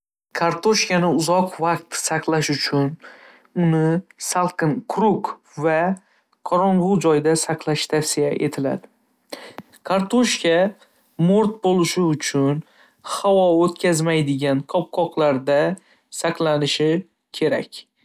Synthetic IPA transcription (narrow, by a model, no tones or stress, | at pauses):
kʰaɾt̪ʰoʃkʲanɪʊzɒqvaq̚t̪saqlˠaʃʊt͡ʃʰʊn | ʊnɪsalˠqʰɨnkʰɾʊk | va | qʰɒɾɒɴʁʊd͡ʒɒjd̪asaqʰlˠaʃt̪ʰafsijaʔe̞t̪ʰɪla̰d̪ɪ | kʰaɾt̪ʰoʃkʲa | mʊɾt̪̚bolˠɪʃɪʊt͡ʃʰʊn | hawɒot̪kʲʰazmajd̪ɪɡʲankʰɒp̚qʰɒqlˠaɾd̪a | saqlˠanɪʃɪ | kʲʰe̞ɾa̰kʲ